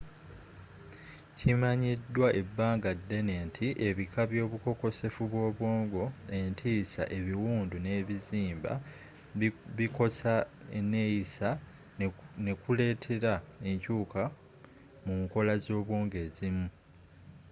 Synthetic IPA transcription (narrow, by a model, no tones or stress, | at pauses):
cimaɲidːwaʔe̞bːaːŋɡadːe̞ne̞ːntʰiʔe̞βikaβjo̞ːβuko̞ko̞se̞fuβwo̞ːβwoːŋɡo̞e̞ntʰiːsa̰ʔeβiwuːndune̞ːβiziːmba̰ | βiko̞saenejisa | ne̞kule̞ːtʰe̞ɾae̞ɲcuːka | muŋko̞lazo̞ːβwoːŋɡe̞ːzimu